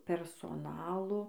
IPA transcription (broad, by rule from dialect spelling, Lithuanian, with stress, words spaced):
pʲɛrsoːˈnɑːlˠoː